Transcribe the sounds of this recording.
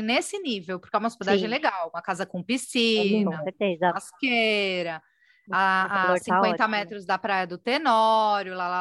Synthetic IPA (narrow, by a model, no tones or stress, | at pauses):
nesɪnivewpʊɾkaũmɐsped̪aʒẽj̃leɡawũmɐkazɐkõpisĩnɐseɾt̪ezaskeɾɐ | aasĩkwẽt̪ɐmɛt̪ɾʊzd̪ɐpɾajɐd̪ʊt̪enɔɾjʊlala